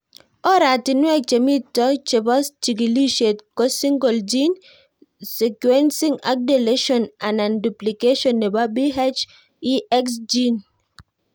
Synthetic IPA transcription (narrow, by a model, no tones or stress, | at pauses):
ɔɾatinwɛk̚t͡ʃemitɔt͡ʃebɔst͡ʃiɡiliʃetkɔsĩŋɡɔld͡ʒin | sekwɛnsĩŋa̰k̚deleʃɔ̃nãnãnduplikeʃɔ̃nːebabiɦat͡ʃ | iʔɛksd͡ʒin